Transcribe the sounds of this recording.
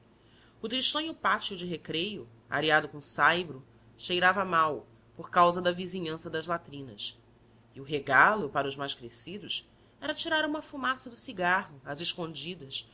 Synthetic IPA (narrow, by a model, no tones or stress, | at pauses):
ʊt̪ɾiʃt̪ɐ̃ɲʊpat͡ʃiʊd͡ʒɪɦekɾejʊ | a̰ɾiad̪ʊkõsajbɾʊ | ʃejɾavɐmaw | poɾkawzɐd̪ɐviziɲɐ̃sɐd̪ɐzlat̪ɾĩnɐ̰s | iʊɦeɡalʊpaɾɐʊzmajʃkɾesid̪ʊs | ɛɾɐt͡ʃiɾaɾũmɐfumasɐd̪ʊsiɡaɦʊɐzeʃkõd͡ʒid̪ɐs